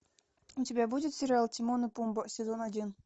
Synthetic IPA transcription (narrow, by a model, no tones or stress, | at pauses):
utʲɪbʲabudʲɪt̪sʲɪɾʲɪalˠtʲɪmonɨpumbəsʲɪzonadʲin